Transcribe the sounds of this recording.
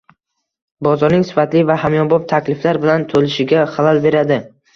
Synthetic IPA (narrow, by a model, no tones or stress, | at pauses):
bɒzɒɾnɪŋsɪ̥fat̪lɪvahamjɒbɒp̚t̪ʰakʲlɪflaɾbɪlant̪ʰolɪʃɪɡʲaχalalbe̞ɾad̪ɪ